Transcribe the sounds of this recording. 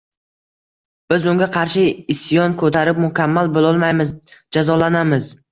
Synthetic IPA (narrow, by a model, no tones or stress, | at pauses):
b̥ɪzʊŋɡʲaqʰɑɾʃɪɪsjɒnkʰɵt̪ʰaɾɪp̚mʊkʲʰamːalbolˠɒlˠmajmɪzd͡ʒazɒlanamɪz